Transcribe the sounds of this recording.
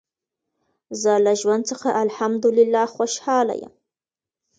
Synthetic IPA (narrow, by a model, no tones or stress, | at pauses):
zɑlaʒwand̪̚t͡səxaʔalħamd̪ʊlɪlːaxwaʃhɑːla̰ja̰m